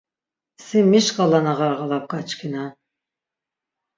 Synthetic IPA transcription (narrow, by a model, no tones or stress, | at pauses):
simiʃqʼɑlanaʁɑɾʁɑlˠap̚kat͡ʃʰkʰina